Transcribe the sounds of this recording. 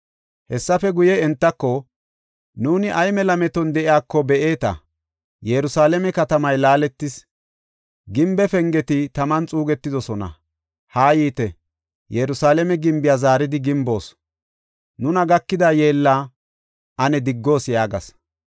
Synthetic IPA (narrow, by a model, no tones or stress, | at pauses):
hɛsːɐfɛɡʊjɛɛnt̪ːɐkːɔ | nuːnɪʔɐjmɛlɐmɛt̪ɔnd̪ɛʔɪjaːkːɔbɛʔe̞ːt̪ɐ̰ | jɛɾʊsaːlɛmɛkɐt̪ɐmɐjlaːlɛt̪ːɪs | ɡɪmbɛfɛŋɡɛt̪ɪt̪ɐmɐnt͡sʼuːɡɛt̪ːɪd̪ɔsɔnɐ̰ | haːjiːt̪ɛ | jɛɾʊsaːlɛmɛɡɪmbɪjaːzaːɾɪd̪ɪɡɪmbo̞ːs | nʊnɐɡɐkːɪd̪aːje̞ːlːaː | ʔɐnɛd̪ɪɡːo̞ːsjaːɡɐ̰s